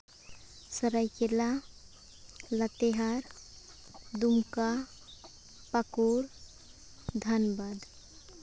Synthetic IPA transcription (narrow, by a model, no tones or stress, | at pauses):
səɾajkela | lət̪eɦaɾ | d̪umka | pakuɾ | d̪ʱənbad̪